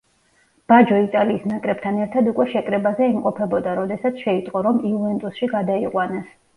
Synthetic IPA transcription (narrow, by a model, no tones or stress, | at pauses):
b̥ad͡ʒɔit̪ʼaliːsnakʼɾɛb̚t̪ʰanɛɾt̪ʰad̪ukʼwɛʃɛkʼɾɛbazɛɛmqʼɔpʰɛbɔd̪aɾɔd̪ɛsat̪sʰʃɛit̪ʼqʼɔɾɔmiuvɛnt̪ʼusʃiɡad̪aiqʼwanas